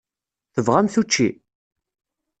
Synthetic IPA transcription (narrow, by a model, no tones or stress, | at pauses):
θəvʁamθut͡ʃːi